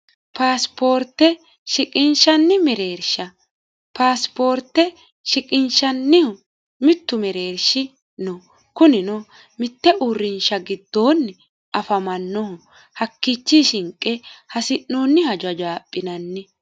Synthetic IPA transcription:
paːspo̞ːɾt̪ːɛ | ʃɪkʼɪnʃɐnːɪmɛɾe̞ːɾʃɐ | paːspo̞ːɾt̪ːɛ | ʃɪkʼɪnʃɐnːɪhʊ | mɪt̪ːʊmɛɾe̞ːɾʃɪ | nɔ | kʊnɪnɔ | mɪt̪ːɛʔʊrːɪnʃɐɡɪd̪ːo̞ːnːɪ | ɐfɐmɐnːɔʊ | hɐkːit͡ʃːiʃɪŋkʼːɛhɐsɪnːoːnːɪhɐd͡ʒɐd͡ʒaːpʼːɪnɐnːɪ

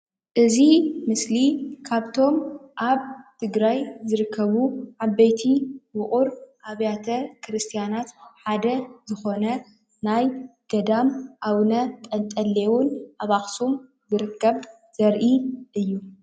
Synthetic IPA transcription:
ʔɨzimɨslikʰaβt̪ʰo̞mʔaβt̪ʰɨɡɾajzɨɾɨkʰːɐβuʕaβɐjt̪ʰiwʊχʼuɾʔaβjat̪ʰɐkʰɾɨst̪ʰijanat̪ħad̪ɐzɨxo̞nɐ | najɡ̥ɐd̪amʔawnɐt̪ʼɐnt̪ʼɐlːewunʔaβaxsum | zɨɾɨkʰːɐβ | z̥ɐɾʔiʔɨjːu

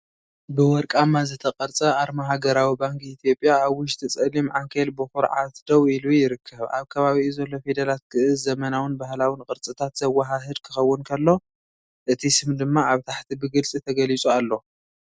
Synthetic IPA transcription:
bɨwɔɾkʼamːazɨt̪ʰɐqʼɐɾt͡sʼɐʔaɾmaɦaɡɐɾawibaŋkit̪ʰijo̞pʼːjaːβwʊʃ̬t̪ʰɨt͡sʼɐlimʕaŋkʰelbɨxʊɾʕa̰t̪d̪̥ɐwilujɪɾɨkʰːɐβʔa̰βkʰɐβaβiizɐlːo̞fed̪ɐlat̪̚kʰɨʔɨzzɐmɐnawɨnbahlawinkʼɨɾt͡sʼɨt̪ʰat̪z̥ɐwːaɦaɦɨd̪kʰɨ̥xɐwːʊnkʰɐlːo̞ | ʔɨt̪ʰisɨmd̪ɨmːaaβt̪ʰaħt̪ʰibɨɡɨlt͡sʼit̪ʰɐɡɐlit͡sʼualːo̞

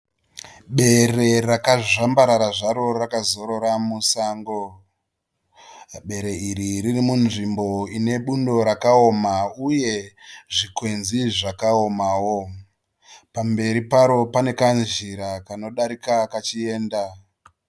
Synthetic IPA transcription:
ɓe̞re̞rakaʐambaɾaɾaʐaɾo̞rakazo̞ɾo̞ɾamusaːŋɡo̞ | ɓe̞ɾe̞iɾiɾirimunʐimbo̞ine̞ɓundo̞ɾakaomauje̞ʐikwe̞nziʐakao̞mawo̞ | pambe̞ɾipaɾo̞pane̞kand͡ʒiɾakano̞ɗaɾikakat͡ʃie̞ːnda

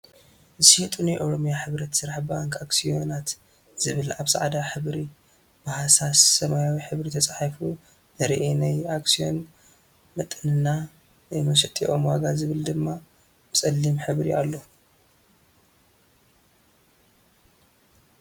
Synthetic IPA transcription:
zɨsihit̪ʼunajʔoɾo̞mjaħɨβɾɐt̪sɨɾaħbaŋkʼaksijonat̪ | z̥ɨβɨlaβsaʕd̪aħɨβɾi | bahasasɐmajawiħɨβɾit̪ʰɐt͡sʼaħfu | zɐɾiʔenajaksijon | mɐt̪ʼɨnɨnːa | mɐsɐt̪ʼiʔomwaɡazɨβɨld̪ɨmːa | bɨsʼɐlːimħɨβɾia̰lːo̞

